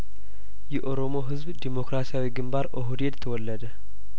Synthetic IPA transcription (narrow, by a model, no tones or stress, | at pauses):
jɛʔo̞ɾo̞mo̞ɦɨzbd̪imo̞kɾasijawiɡɨmbaɾʔoɦud̪e̞d̪t̪ʰəwɔlːəd̪ə